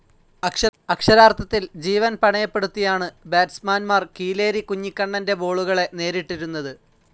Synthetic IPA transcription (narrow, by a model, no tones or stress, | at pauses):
ɐkʂɐɐkʂɐɾaːrt̪ʰːɐt̪ːild͡ʑiːʋɐnpɐɳɐjɐpːe̞ɽut̪ːijaːɳɨbeːtsmaːnmaːrkiːle̞ːɾikuɲːikːɐɳːɐnde̞bo̞ːɭuɣɐɭe̞ne̞ːɾiʈːiɾunːɐðɨ